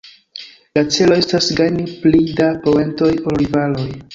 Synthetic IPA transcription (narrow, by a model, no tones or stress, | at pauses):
lat͡se̞lo̞e̞stasɡajniplidapo̞e̞nto̞jolɾivalo̞j